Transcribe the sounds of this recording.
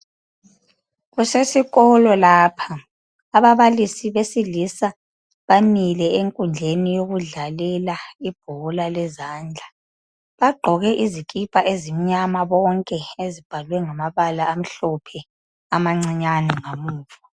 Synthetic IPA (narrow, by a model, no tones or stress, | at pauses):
ɣusesiɣɔlɔlaːpʰaː | βaβalisiβesilisa | βamilɛeŋkʼund͡ɮʱenijoɣuɮalɛlaib̥̚ʱɔlalɛzaːnd͡ɮʱa | βaɡ͡ǃʱɔɣɛʔizikʼipʼaʔezimiɲamaβɔŋkʼɛezib̥ʱalwɛŋamaβalaːm̩ɬɔpʰɛ | amaŋ͡ǀiɲanɛŋamuːvɔ